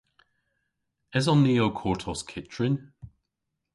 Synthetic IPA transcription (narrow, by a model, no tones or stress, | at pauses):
ɪzɔnːiokʰɔɹtʰɔskʰɪt͡ʃɹ̥ɪ̃n